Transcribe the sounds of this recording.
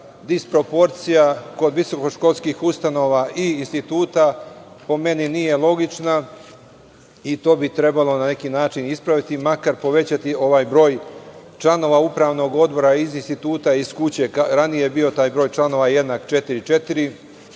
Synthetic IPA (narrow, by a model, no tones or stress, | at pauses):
d̪ispɾo̞po̞ɾt̪sijako̞d̪ʋiso̞ko̞ʃko̞lˠskiːxust̪ano̞ːʋaʔiːnst̪it̪uːt̪a | po̞me̞ninije̞lˠo̞ɡit͡ʃna | it̪o̞ːbit̪ɾe̞balˠo̞nane̞kiːnaːt͡ʃinispɾaʋit̪imakaɾpo̞ʋe̞t͡ɕat̪io̞ʋaːjbɾo̞ːjt͡ʃlˠano̞ːʋaupɾaːʋno̞ɡo̞d̪bo̞ɾaizinst̪it̪uːt̪aiskut͡ɕe̞aɾanijebio̞t̪aːjbɾo̞ːjt͡ʃlˠano̞ʋaje̞d̪naːkt͡ʃe̞t̪iɾit͡ʃe̞t̪iɾi